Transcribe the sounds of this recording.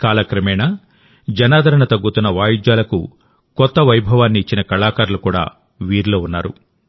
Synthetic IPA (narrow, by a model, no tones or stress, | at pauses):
kaːlɐkɾɐmɛːnɐ | d͡ʒɐnaːd̪ʱɐɾɐɳɐt̪ɐɡːut̪unːɐʋaːjud͡ʒ̪jaːlɐkṵ | kɔt̪ːɐʋɐjbʱɐʋaːnːiːt͡ʃːinɐkɐɭaːkaːɾulukuːɽa̰ː | ʋiːɾlo̞ːunːa̰ːɾṵ